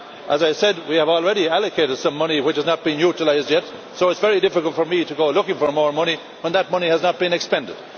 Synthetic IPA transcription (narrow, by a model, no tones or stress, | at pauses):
ʔəzaɪsɛd̚wiəvɔlˠɹɛɾiæləkʰeɪɾɨd̥sʌ̃mːʌñiwɨt͡ʃhəznət̚b̥ĩnjuɾəlaɪzdjɛt | soʊɨtsv̥ɛɹidɪfɪkəlˠtfə˞miɾəɡoʊlʊkɪ̃ŋfə˞mɔːɹmʌñi | wə̃nðət̚mʌñiəznət̚b̥ĩnɨkspɛ̃ndɪ̰d̥